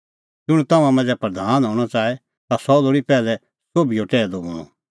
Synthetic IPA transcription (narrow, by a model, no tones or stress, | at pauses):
d͡ʒʊɽ̃ũt̪ɐmãmɛ̃nd͡zɛpɾəd̪ʱaːnɦɔ̃ːɽ̃ɔt͡ʃaːɛ | t̪asɔloːɽipɛːlɛ | soːbijoʈɛːd̪obʊɽ̃ṵ̃